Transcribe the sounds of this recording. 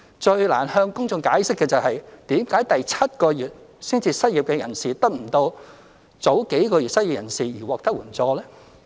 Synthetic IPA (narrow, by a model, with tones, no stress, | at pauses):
t͡ʃɵ˧ɥla̰ː˨˩nhœː˧ŋkʊ˥ŋt͡sʊ˧ŋkaː˨˥jsɪ˥kːɛː˧t͡sɐ˨wɦɐ˨jt̪iː˨˥mkaː˨˥jt̪ɐ˨jt͡sʰɐ˥t̚kɔː˧jyː˨t̚sɪ˥ŋt͡siː˨˧sɐ˥t̚jiː˨p̚kɛː˧jɐ̰˨˩nsiː˨t̪ɐ˥k̚m̩˨˩t̪o˧w | t͡so˨˥wke˨˥jkɔː˧jyː˨t̚sɐ˥t̚i˨p̚jɐ˨˩nsiː˨jiː˨˩wɔː˨k̚t̪ɐ˥k̚wuː˨˩nt͡sɔː˧lɛː˥